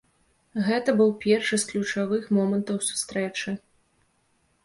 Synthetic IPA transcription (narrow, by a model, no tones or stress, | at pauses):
ɣɛt̪ɐbɨwpʲɛrʂɨsklʲut͡ʂavɨxmɔmɐnt̪ɐwsu̥st̪ɾɛt͡ʂɨ